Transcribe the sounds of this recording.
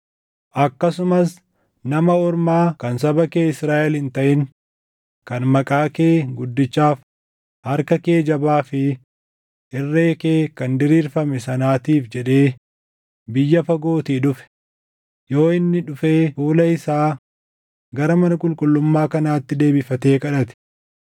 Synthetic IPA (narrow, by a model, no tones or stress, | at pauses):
ʔɐkːɐsʊmɐs | nɐmɐɔɾmaːkɐnsɐbɐke̞ːɪsɾaːʔɛlhɪnt̪ɐʔɪn | kɐnmɐkʼaːke̞ːɡʊd̪ːɪt͡ʃːaːf | hɐɾkɐke̞ːd͡ʒɐbaːfɪ | ʔɪrːe̞ːkeːkɐnd̪ɪɾiːɾfɐmɛsɐnaːt̪iːfd͡ʒɛᶑe̞ː | bɪjːɐfɐɡo̞ːt̪iːᶑʊfɛ̥ | jo̞ːɪnːɪᶑʊfe̞ːfuːlɐɪsaː | ɡɐɾɐmɐnɐkʼʊlkʼʊlːʊmːaːkɐnaːt̪ːɪd̪e̞ːbɪfɐt̪e̞ːkʼɐᶑɐt̪ɪ̥